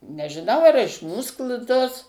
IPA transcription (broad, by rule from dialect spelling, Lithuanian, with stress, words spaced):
nʲɛʒʲɪˈnɐʊ ɐr ɪʃ ˈmuːs klˠ ˈtoːs